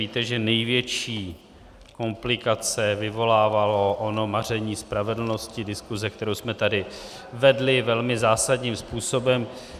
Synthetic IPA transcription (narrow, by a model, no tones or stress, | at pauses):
iːt̪ɛʒɛnɛjvjɛt͡ʃiː | ko̞mplɪkat͡sɛvɪvo̞laːvalo̞ʔono̞mar̝ɛɲiːspɾavɛdl̩no̞scɪdɪskuzɛk̚t̪ɛɾowsmɛt̪adɪ | vɛdlɪvɛlmɪzaːsadɲiːmspuːso̞bɛm